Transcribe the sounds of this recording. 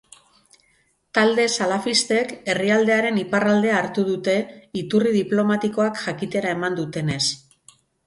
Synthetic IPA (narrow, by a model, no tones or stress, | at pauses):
t̪ald̪e̞salafist̪e̞ke̞riald̪e̞aɾe̞niparald̪e̞aːɾt̪uð̞ut̪e̞it̪uriðiplo̞mat̪iko̞akʝakit̪e̞ɾae̞mand̪ut̪e̞ne̞s